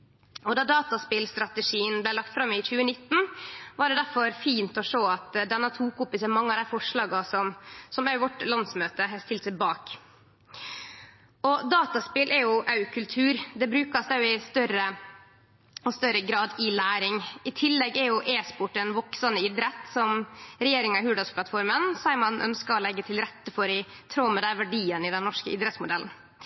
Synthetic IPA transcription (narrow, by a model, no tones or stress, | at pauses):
ɔd̪ɑd̪ɑːt̪ɑspɪlst̪ɾɑt̪əʂiːənblæɪlɑk̚t̪fɾɑmɪc͡çʉːənɪt̪ːn̩ʋɑːɖɛd̪æɾfɔɾfiːnt̪ɔʂoːɑt̪d̪ɛnːət̪ʰuːkʊmpːɪsɛmɑŋːəɑd̪æɪfɔʂɭɑːɡɑsɔmsɔmæjʋɔʈlɑnsmøːt̪əɦɛst̪ɪlt̪sɪbɑːk | ɔd̪ɑːt̪ɑspɪlʔɛɾjʊʔɑʉkʰʉlt̪ʰʉːɾd̪ɛbɾʉːkɑsd̪æjʊɪst̪œɾə | ɔst̪œɾəɡɾɑːd̪ɪlæːɾɪŋɪt̪ʰɪlːɛɡɛɾjʊʔeːspʊʈɛnʋɔksɑnəɪd̪ɾɛt̪sɔmɾɛjeːɾɪŋɑhʉːɖɑspʰlɑt̪fɔɾmənsæɪmɑnʔœ̰nskɑɔlɛɡːət̪ʰɪlɾɛt̪ːəfɔɾɪ | t̪ʰɾoːmɛd̪æʋæɖiːənɪd̪ɛnːɔʂkəʔɪd̪ɾəɛt̪smʊd̪ɛln̩